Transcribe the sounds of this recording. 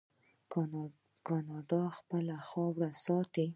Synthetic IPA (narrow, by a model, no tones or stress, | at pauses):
kɑnɑɖɑxpəlaxɑwɾasɑt̪i